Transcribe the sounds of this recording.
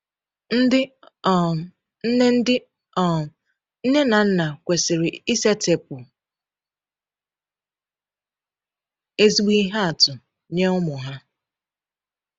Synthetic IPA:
n̩˦dɪ˦˨ | n̩˦ne˦n̩˦dɪ˦ | ɔ˨ | n̩˦ne˦na˨n̩˦na˨kʷe˨sɪ˨ɾɪ˨i˦se˦te˨p̚ʊ˨ | e˦zi˦ɡ͡bi˦ɦa˦a˨tʊ˨ | ɲe˦ʊ˦mʊ˨ɦa˦

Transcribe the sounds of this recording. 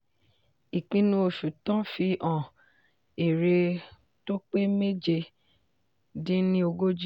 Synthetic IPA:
i˨kĩ˧nũ˧o˨ʃu˨tã˦fi˧ʔɔ̃˨ | e˨ɾe˧ | to˦k͡pe˦me˦d͡ʒe˧ | dĩ˦nĩ˦o˧ɡo˦d͡ʒi˦

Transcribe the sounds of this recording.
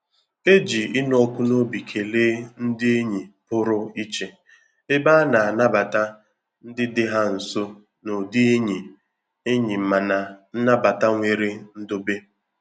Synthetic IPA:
e˦d͡ʒi˨ɪ˦n˦ɔ˦kʷʊ˦no˦bi˨kʰe˨leː˦n̩˦dɪ˦e˦ɲi˨pʊ˦ɾʊ˦i˦t͡ʃe˨ | e˦ba˦na˨a˨na˦ba˨ta˦ | n̩˦dɪ˦dɪ˦ɦa˦n̩˨sʊ˦ | no˨di˦e˦ɲi˨ | e˦ɲi˨m̩˨ma˨na˨˦na˦ba˨ta˦ŋʷe˨ɾe˦n̩˦do˦be˦

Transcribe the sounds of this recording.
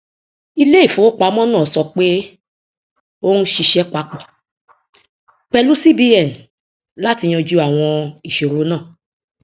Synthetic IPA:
i˧le˦i˦˨fõ˨˦k͡pa˧˦mɔ̃˦nãː˦˨sɔ˧k͡pe˦ | o˦nu˦ʃi˧ʃɛ˦k͡pa˧˦k͡pɔ˨ | k͡pɛ˧lu˦si˦bi˧ɛ˨n̩˨ | la˦ti˧j̃ɔ̃˧d͡ʒu˧˦a˨w̃ɔ̃˧i˨ʃo˨ɾo˨˦nãː˦˨

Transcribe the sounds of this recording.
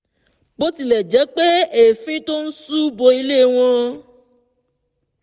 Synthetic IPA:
bo˦ti˧lɛ˨d͡ʒɛ˨˦k͡pe˦e˦˨fĩ˦to˦n̩˦su˦bo˧i˧le˦˨w̃ɔ̃˧

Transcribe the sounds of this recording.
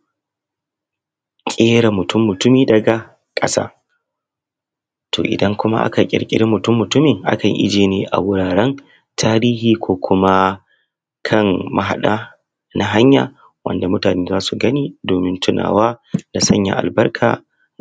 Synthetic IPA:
kʲʼeː˦ɽa˨mʊ˨tʊ˦mːʊ˨tʊ˦miː˦dɐ˨ɡa˨ | kʼɐ̰˦sa̰ː˦ | tʰo̰ː˨ʔɪ̰˨dɐ˦ŋkʷʊ˦ma̰˦ʔa̰˦ka˨kʲʼɪ̰˨ɽkʲʼɪ̰˦ɽɪ˦mːʊ˨tʊ˦mːʊ˨tʊ˦mɪ˨ŋʔa̰˦kɐ˨ŋʔɪ̰˦d͡ʒeː˨neː˦ʔa̰˨wʊ˦ɽaː˨ɽɐ˦n | tʰaː˦ɾiː˦ɦiː˨kʷoː˦kʷʰʊ˦ma˦ | kʰɐ˦˨ŋma˨ɦa̰˨ɗaː˦ | na˦ɦa˦ɲjaː˨ | wɐ̰˦nda˨mʊ˦taː˨neː˦zaː˦su˨ɡɐ˦niː˦doː˨mɪ˦ntʊ˦na̰ː˨waː˦da˨sɐ̰˦ɲja̰˨ʔa̰˨lbɐ˦rkʰa̰ː˨

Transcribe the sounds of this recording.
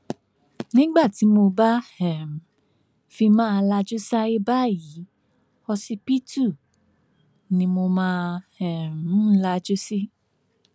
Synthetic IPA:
nĩ˦ɡ͡ba˦˨ti˨˦mo˧ba˦hɛ˨m˨ | fi˧mãː˦˧la˧d͡ʒo˦sa˦i˦ba˦˨ji˨˦ | ɔ˧si˧pi˦tu˦˨ | nĩ˧mo˧mãː˦˧hɛ˨m̩˨˦la˧d͡ʒo˦si˦

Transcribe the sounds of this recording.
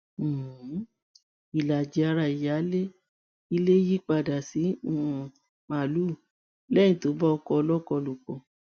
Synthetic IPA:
i˨la˨d͡ʒi˧a˧ɾa˧˨i˨ja˨˦le˦ | i˧le˦ji˦k͡pa˧˨da˨si˨˦ũ˦˨ | ma˨lu˦˨ | lɛ˦ĩ˨to˨˦bɔ˦ɔ˧kɔ˧ɔ˧lɔ˦kɔ˧lu˨k͡pɔ̃˨

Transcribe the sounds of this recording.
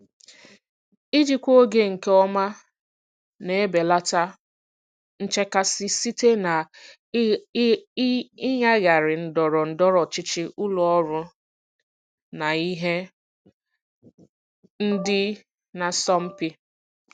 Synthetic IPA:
i˦d͡ʒi˦kʷo˦ɡe˦ŋ̩˨ke˦ɔ˦ma˦ | ne˨˦be˨la˦ta˦ | n̩˦t͡ʃe˦ka˦sɪ˦si˦te˦na˨ | ɪ˦ɲa˦ɣa˨ɾɪ˨n̩˨dɔ˨ɾɔ˨n̩˨dɔ˦ɾɔ˨t͡ʃɪ˦t͡ʃɪ˦ʔʊ˦lɔ˨ɔ˦ɾʊ˦ | na˨i˦ɦe˦ | n̩˦dɪ˦ | na˨sɔ˦m̩˦pi˦

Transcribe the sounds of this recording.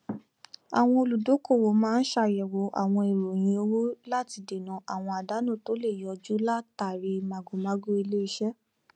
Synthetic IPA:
a̰˨w̃ɔ̃˧o˧˨lu˨do˨˦ko˦˨wo˨˦mãː˦n̩˦ʃa˧˨jɛ˨wo˨˦ʔa̰˨w̃ɔ̃˧i˨ɾo˨j̃ĩ˧˦o˧wo˦la˦ti˧de˨nã˨ʔa˨w̃ɔ̃˧a˨da˨˦nũ˦˨to˨˦le˦˨jɔ˧d͡ʒu˦la˦ta˨ɾi˧˦ma˨ɡu˨mã˨˦ɡu˦i˧le˦e˧ʃɛ˦

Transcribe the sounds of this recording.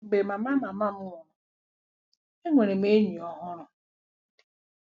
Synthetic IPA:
ɡ͡be˨ma˨ma˦ma˨ma˦mu˦˨nɔ˨ | e˦ŋʷe˨ɾe˨m˦e˦ɲi˨ɔ˨ɦʊ˦ɾʊ˨

